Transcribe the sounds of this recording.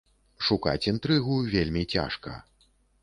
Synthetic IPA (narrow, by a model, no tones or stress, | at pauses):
ʂuka̰t͡sʲint̪ɾɨɣuvʲelʲmʲit͡sʲa̰ʂkɐ̰